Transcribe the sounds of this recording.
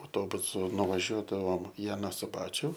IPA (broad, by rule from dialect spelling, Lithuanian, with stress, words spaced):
ɐʊˈtoːbʊsʊ nʊʋɐˈʒʲuɔdɐʋoːm ɪ ɐˈnɑː sʊˈbɑːt͡ʃʲʊ